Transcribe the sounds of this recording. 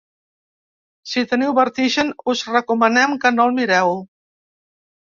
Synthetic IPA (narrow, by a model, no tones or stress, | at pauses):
sit̪əniwβəɾt̪iʒənuzrəkumənɛmkənolˠmiɾɛw